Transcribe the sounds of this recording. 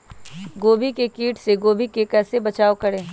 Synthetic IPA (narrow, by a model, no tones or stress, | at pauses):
ɡoːbʱikekiːʈseɡoːbʱikekɛːsebɐt͡ʃaːokɐɾẽː